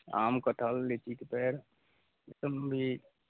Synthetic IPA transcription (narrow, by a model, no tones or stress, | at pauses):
a̰mkəʈʰəlːet͡ʃit̪pɛɾ | esəmbʱi